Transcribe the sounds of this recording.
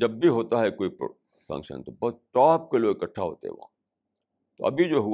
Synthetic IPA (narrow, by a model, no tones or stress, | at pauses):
d͡ʒɐbːʱiɦoːt̪aɦɛkoːip | fɐ̰̃ŋkʃə̰nt̪obɔːt̪̚ʈɔːp̚keloːɡɪkɐʈʰːaɦo̰ːt̪ḛɦɛ̰ʋã̰ | t̪oɐbʱid͡ʒoːɦu